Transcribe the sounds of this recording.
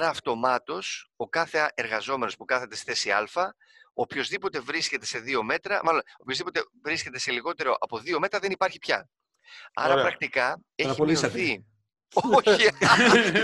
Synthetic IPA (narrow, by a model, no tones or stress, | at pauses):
ɐɾɐːft̪o̞mɐt̪o̞so̞kɐθe̞ːɾɣɐzo̞me̞nospukɐθe̞t̪ese̥θe̞siɐ̰lfɐ | o̞pço̞zðipo̞t̪e̞vɾisce̞t̪e̞se̞ðio̞me̞t̪ɾɐmɐlono̞pçozðipo̞t̪e̞vɾisce̞t̪e̞se̞liɣo̞t̪e̞ɾo̞ʔɐpo̞ðio̞me̞t̪ɾɐðenipɐɾçipçɐ | ɐ̰ɾɾɐpɾɐk̚t̪ikɐ | eɐɾɐoiɐθi | oçi